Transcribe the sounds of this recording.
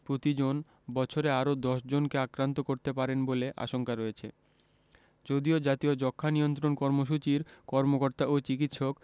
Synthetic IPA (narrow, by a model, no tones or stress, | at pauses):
pɾot̪id͡ʑon | bɔt͡ɕʰoɾeaɾod̪ɔʃd͡ʑonkeakɾant̪okoɾt̪epaɾenboleʔa̰ʃoŋkaɾɔet͡ɕʰḛ | d͡ʑod̪iod͡ʑat̪iod͡ʑɔkʰːanijont̪ɾonkɔɾmoʃ̬ut͡ɕiɾkɔɾmokoɾt̪aʔot͡ɕikit̪ʃok